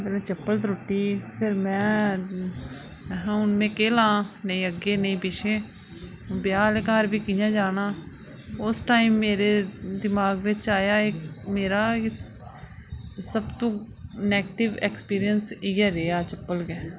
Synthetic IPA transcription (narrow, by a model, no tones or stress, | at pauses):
beːlɛːt͡ʃəpːəld̪ɾoʈːiːpʰɪɾmɛ̃ː | ɦãːʊnmẽːkeːlãːnəĩːəɡeːnəĩːpɪʃʰeː | bjaːlːkaːɾbiːkijãːd͡ʒaːnaː | ʊsʈaːimːeːɾeːd̪ɪmaːɡʋɪt͡ʃaːjaːɪkmeːɾaː | səbt̪õː | nɛːɡʈɪʋɛkspiːɾɪjənsiːɛːɾeːaːt͡ʃəpːəlɡɛː